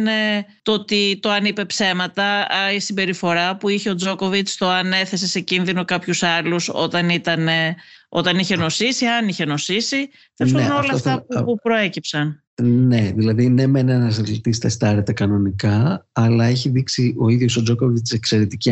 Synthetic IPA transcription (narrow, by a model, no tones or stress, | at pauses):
net̪ot̪it̪o̞ɐnipe̞pse̞mɐt̪ɐisimbe̞ɾifo̞ɾɐpuiçe̞o̞d͡zo̞ko̞vit͡st̪o̞ɐne̞θe̞se̞se̞cinðino̞kɐpçusɐluso̞̰t̪ɐnit̪ɐneʔo̞̰t̪ɐniçe̞no̞sisiɐniçe̞no̞sisi | θesnno̞lɐft̪ɐupɾo̞e̞cipsɐn | ne̞ðilɐðinemenenɐsɐlit̪ist̪est̪ɐɾe̞t̪e̞kɐno̞nikɐɐlɐeçiðiksio̞iðjo̞sod͡ʒokovit͡sekse̞ɾet̪ic